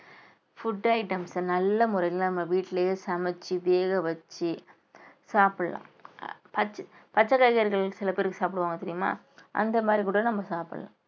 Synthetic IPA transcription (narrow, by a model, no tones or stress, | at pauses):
fʊɖɐɪʈɐmsnɐlːɐmʊɾɐjɪlnɐmːɐʋiːʈːlɐjesɐmɐt͡ʃːiʋeːɣɐʋɐt͡ʃːi | saːpɪɽɐlã̰ːpɐt͡ʃː | pɐt͡ʃːɐkːɐɣɐɐɾɣɐɭɪkːɯsɪlɐpeːɾɯkːɯsaːpɪɽɯʋaːŋɡɐt̪ɪɾɪjɯma̰ː | ʔɐ̰nd̪ɐmaːd̪ɾikuːɽɐnɐmːɐsaːpɪɽɐ̰lã̰ː